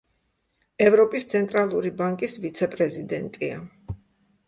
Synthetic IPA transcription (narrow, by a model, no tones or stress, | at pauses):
ɛvɾɔpʼist̪sʰɛnt̪ʼɾalˠuɾibaŋkʼisvit̪sʰɛpʼɾɛzid̪ɛnt̪ʼia̰